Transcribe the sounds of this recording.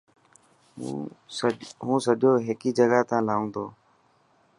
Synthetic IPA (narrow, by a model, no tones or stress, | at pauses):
ɦũːsəɗoːɦɪːkiːd͡ʒəɡaːt̪ãːlaːũːnd̪oː